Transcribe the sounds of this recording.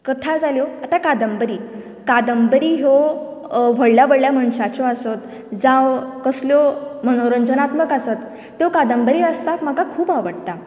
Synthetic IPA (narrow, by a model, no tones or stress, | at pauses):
kət̪ʰad͡zaljɔat̪akad̪əmbəɾiː | kad̪əmbəɾiːɦo | ʋ̤əɽljabəɽljam̤ənɕat͡ɕɔasət̪ | d͡zãʋkəsljɔməñoɾənd͡zənat̪məkasət̪ː | jokad̪əmbəɾiːast̪akm̤akakʰuːbaʋəɽt̪a